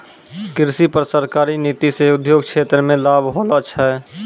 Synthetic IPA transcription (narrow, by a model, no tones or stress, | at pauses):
kɪɾsipəɾsəɾkaːɾiniːt̪iseʊd̪ʱjoːɡ̚kʃʰeːt̪ɾəmẽlaːbʱɦolət͡ʃʰɛ